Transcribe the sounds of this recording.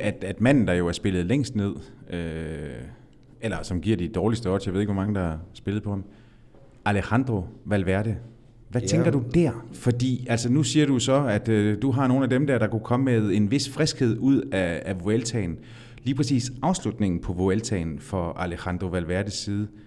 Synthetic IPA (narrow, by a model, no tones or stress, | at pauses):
æd̥æd̥mæn̰n̩d̥ɑ̈jo̝æɐsb̥e̝lð̩ˠleŋ̰sd̥ne̝ð̞̰ˠø | elɐsɒ̽mɡ̥iɐ̰d̥id̥ɒːlisd̥əɒ̽d̥sjaʋe̝̰eɡʋɔmɑ̈ŋəd̥ɑ̈æsb̥e̝lð̩ˠpʰɒ̽m | ʔælehɑnd̥ʁoʋælʋæɐ̰ɾ̥ə | ʋæt͡sʰeŋɡ̥ɐd̥ud̥æɐ̰fɒ̽d̥ḭːælsənusiːɐɾusɒ̽æd̥ød̥uɦɑ̈no̝ːnæd̥emd̥æɐ̰ɾ̥ɑ̈kʰukʰɒ̽məmeð̞ˠe̝nʋe̝sfʁɛsɡ̥he̝ð̞̰ˠuð̞̰ˠæːʋo̝elt͡sʰɛ̰ɪn | liːpʰʁɛs̬ḭːsɑ̈ʊslud̥ne̝ŋn̩pʰɒ̽ʋo̝elt͡sʰɛ̰ɪnfɒ̽ælehɑnd̥ʁo̝ʋælʋæɐd̥əsiːð̞ˠ